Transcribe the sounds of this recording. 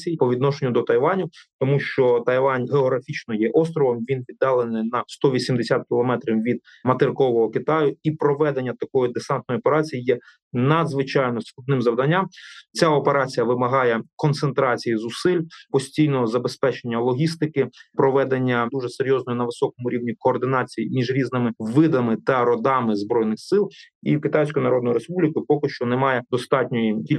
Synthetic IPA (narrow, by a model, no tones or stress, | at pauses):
t͡sʲijpɔʋʲid̪nɔʃenʲːʊd̪ɔt̪ɐjʋɑnʲʊt̪ɔmuʃt͡ʃɔt̪ɐjʋɑnʲɦeɔɦɾɐfʲit͡ʃnɔjɛʔɔst̪ɾɔʋɔmʋʲinʋʲid̪ːɑlˠenɪnɐst̪ɔʋʲisʲimd̪esʲat̪̚kʲilˠɔmɛt̪ɾʲiwʋʲid̪̚ | mɐt̪ɪrkɔʋɔɦɔkɪt̪ɑjʊipɾɔʋɛd̪enʲːɐt̪ɐkɔjʊd̪esɑnt̪nɔjɔpeɾɑt͡sʲijijɛ | nɐd̪zʋɪt͡ʃɑjnɔskˠʊd̪nɪmzɐwd̪ɐnʲːamt͡sʲaɔpeɾɑt͡sʲijɐʋɪmɐɦɑjɛkɔnt̪sent̪ɾɑt͡sʲijizʊsɪlʲpɔsʲtʲijnɔɦɔzɐbespɛt͡ʃenʲːɐlˠɔɦʲist̪ɪkɪpɾɔʋɛd̪enʲːɐd̪uʒɛseɾʲjɔznɔjinɐʋɪsɔkɔmʊɾʲiwnʲikɔːrd̪ɪnɑt͡sʲijḭmʲiʒɾʲiznɪmɪʋɪd̪ɐmɪt̪ɐɾɔd̪ɑmɪzbɾɔjnɪxsɪlˠḭkɪt̪ɑjsʲkɔjʊnɐɾɔd̪nɔjʊɾespublʲikʊjʊpɔkɪʃt͡ʃɔnɛmɑjɛd̪ɔst̪ɑtʲnʲɔjiilʲ